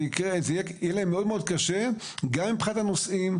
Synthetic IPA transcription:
ikeezejejelaemːeo̞d̪meo̞d̪̚kaʃe | ɡamimpχat̪anosʔim

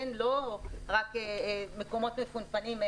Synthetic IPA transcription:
nloʁakemeko̞mo̞t̪mekunpanim

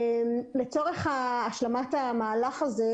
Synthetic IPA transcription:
mlet͡so̞ʁe̞χaːʃlamatamaːlaχaze

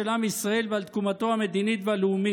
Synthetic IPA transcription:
elamisʁae̞lvalt̪kumat̪o̞hamed̪init̪vealeumi

